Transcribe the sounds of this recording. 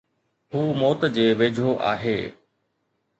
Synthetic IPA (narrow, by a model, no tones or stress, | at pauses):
ɦuːmoːt̪d͡ʑeːʋeːd͡ʑʱoʔa̰ːɦḛː